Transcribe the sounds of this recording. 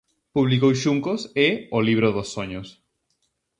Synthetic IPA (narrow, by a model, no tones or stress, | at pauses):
puβlikowʃuŋkoseoliβ̞ɾoðosːoɲos